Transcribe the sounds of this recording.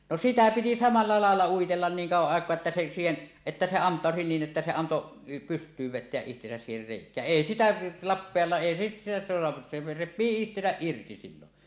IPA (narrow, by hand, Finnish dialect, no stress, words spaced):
no sitæ piti sɑmɑlːɑ lɑˑelːɑ uitelːɑn niːŋ kɑuwɑʔ ʔɑˑekˑoɑ etːæ se siːhen etːæ se ɑntˑɑˑosi niːn ʔetːæ se ɑnto pystˑyːʋ ʋetˑeæʔ ʔihtesæs siːher reˑikˑæː eˑi sitæ lɑpːeɑlːɑː ʔeˑi sit sitæ soɑ se repˑiː ihtesæʔ ʔirti silːon